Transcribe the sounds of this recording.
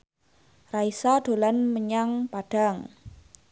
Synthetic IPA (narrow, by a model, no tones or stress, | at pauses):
raisaɖ̥o̤lanməɲaŋpaɖ̥a̤ŋ